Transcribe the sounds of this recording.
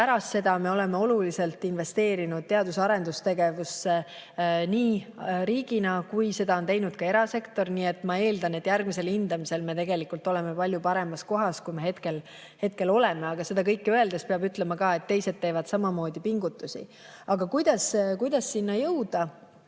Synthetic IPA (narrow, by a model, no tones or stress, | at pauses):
pæɾɑst̪se̞d̪̥ɑme̞o̞le̞me̞o̞lulise̞lt̪ːˑinve̞st̪e̞ːɾinud̪̥̚t̪e̞ɑd̪usɑɾe̞nd̪ust̪e̞ɡe̞vusːe | niːɾiːɡ̥inɑkujse̞d̪̥ɑont̪e̞jnud̪̥kɑe̞ɾɑse̞kt̪o̞rniːe̞t̪ːˑmɑe̞ːld̪̥ɑne̞t̪ːjærɡ̥̚mise̞lind̪̥ɑmise̞lme̞t̪e̞ɡ̥e̞likːˑult̪ːˑo̞le̞mepɑlʲjupɑɾe̞mɑsko̞ɦɑskujme̞ɦhet̪ke̞l | he̞t̪̚ke̞lo̞leme̞ɑɡ̥ɑse̞d̪ɑkɤjkːøe̞ld̪espeɑbyt̪le̞mɑkɑːe̞t̪ːe̞jse̞d̪̥̚t̪ːe̞ːvɑd̪̥sɑmɑmo̞ːd̪̥ipiŋɡut̪ːˑusḭ | ɑɡ̥ɑkujd̪̥ɑskujd̪̥ɑsːinːɑjɤwd̪̥ɑ